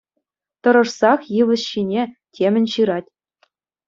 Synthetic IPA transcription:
t̪ɤ̆ɾɤ̆ʂsɑχjɯʋɤ̆sɕinʲetʲʰemʲɘ̆nʲɕɯɾɑtʲ

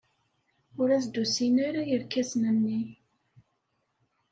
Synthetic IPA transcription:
ʊɾæsd̪usinoɾajəɾkːæsnənːi

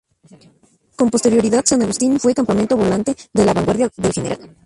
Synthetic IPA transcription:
ko̞mpo̞st̪e̞ɾjo̞ɾiðaðsanaɣust̪infwe̞kampamẽ̞nt̪o̞βo̞lant̪e̞ðe̞laβaŋɡwaɾðjaðelxe̞ne̞ɾʔa̰l

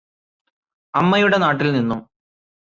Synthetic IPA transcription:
ɐmːɐjuɽe̞naːʈːilninːu

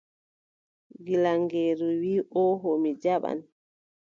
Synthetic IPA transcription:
ɡilaŋɡeːɾuwiːʔɔɦomid͡ʒaɓa̰n

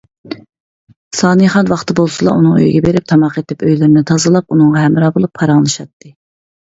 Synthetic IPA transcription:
sɑːnɨjχɑnwɑχt̪ɨbolˠsɨlˠɑ̰ʔunɨŋø̰jɡʲɛbeɾɪp̚t̪ʰɑmɑqet̪ʰɪpøjlɪɾnɪt̪ʰɑzɨlˠɑpunɨŋʁɑɦɛmɾɑːbolˠupʰːɑɾɑŋlˠɨʃɑt̪ʰːɨ

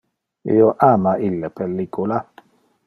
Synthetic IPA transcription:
ḛjoʔamaʔilːɛpelːikola

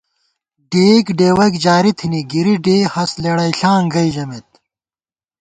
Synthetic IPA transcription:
ɖeːkɖeːwɐkd͡ʑaːɾit̪ʰiniɡiɾiɖeːhɐsleɽɐjɬãːŋɡɐid͡ʑɐmet̪̚

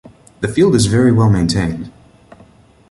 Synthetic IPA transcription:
ðɨfilˠdɨzvɛɹiwɛlˠmẽɪ̃ntʰẽɪ̃nd̥

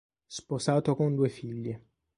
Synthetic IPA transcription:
sposaːt̪okond̪uːefiʎːe

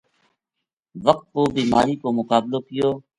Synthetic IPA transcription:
ʋəq̚t̪̚koːbiːma̰ːɾiːkoːmʊkaːbloːkɪjoː

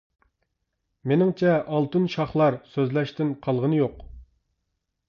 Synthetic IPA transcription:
menɪŋt͡ʃʰɛʔɑlˠt̪ɨnʃɑχlˠɑɾsøzlɛʃt̪ɪnqʰɑlˠʁənɨjoq

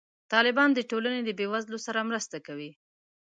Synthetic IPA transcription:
t̪ɑlɪbɑnd̪əʈolaned̪əbewazlosaɾamɾəst̪akawi

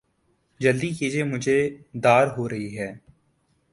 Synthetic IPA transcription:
d͡ʒəld̪ikiːd͡ʒiemʊd͡ʒʱed̪aːɾɦoːɾɐɦiɦɛː

